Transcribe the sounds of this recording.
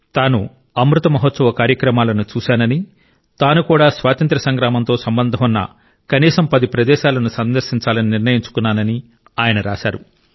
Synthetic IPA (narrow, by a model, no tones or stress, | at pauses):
t̪aːnu | ɐmɾut̪ɐmɐɦɐt̪sɐʋɐkaːɾjɐkɾɐmaːlɐnut͡ʃuːʃaːnɐni | t̪aːnukuːɽaːsʋaːt̪ɐnt̪ɾɐsɐŋɡɾaːmɐnt̪o̞ːsɐmbɐnd̪ʱɐmunːɐ̰ | kɐniːsɐmpɐd̪ipɾɐd̪ɛːʃaːlɐnusɐnd̪ɐɾʃiɲt͡ʃaːlɐniniɾnɐjiɲt͡ʃu̥kunːaːnɐni | aːjɐnɐɾaːʃaːɾu